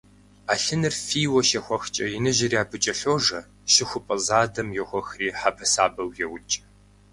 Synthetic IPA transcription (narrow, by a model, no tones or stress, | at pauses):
aːɬɨnɨrfiːwɔʃɐxʷɔxt͡ʃʼɐjɪnɨʒɪrjaːbɨt͡ʃʼɐɬoːʐɐ | ʃɪxʷʊpʼɐzaːdɐmjɛxʷɔxriːħabʰɐsaːbɐwjɛwʊt͡ʃʼɐ̥